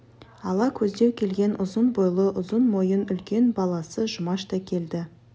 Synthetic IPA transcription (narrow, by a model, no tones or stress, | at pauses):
ɑlˠɑkʲʰɵzd̪ewkʲʰe̞lɡʲe̞nʔʊzənbojlˠəʔʊzənmo̞jənʏlkʲe̞nbɑlˠɑsəʒʊmɑʃt̪ɑkʲʰe̞ld̪ɪ